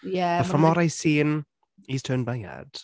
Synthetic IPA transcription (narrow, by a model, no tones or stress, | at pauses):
jæəfə̃mɔɾaɪsĩːn | iz̥tʰɜːnbaɪa̰d̥